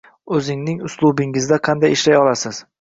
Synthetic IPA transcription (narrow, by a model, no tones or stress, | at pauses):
ɵzɪŋnɪŋʊslˠʊbɪŋɪzd̪aqʰɑnd̪ajeʃlajɒlasɪz̥